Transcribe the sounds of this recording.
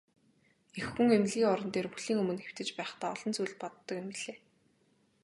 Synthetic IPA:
exxŭŋemɮɣiːŋɔɾɞ̆nt̪eːruɮiːŋɵmɵ̆nxew̥t̪ɘ̆t͡ɕpæːχt̪aːɔɮɞ̆nt͡sujɮʲpɔt̪ːɞ̆kempiɮeː

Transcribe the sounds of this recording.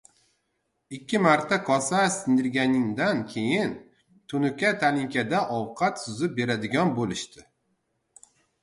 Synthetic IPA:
ɪkʲːɪmaɾt̪ʰakʰɒsasɪnd̪ɪɾɡʲanɪŋd̪ankʲʰejɪn | t̪ʰʊnʊkʲat̪ʰalɪŋkʲad̪aʔɒwqʰɑt̪sʊzɪp̚be̞ɾad̪ɪɡʲɒnbolɪʃt̪ʰɪ

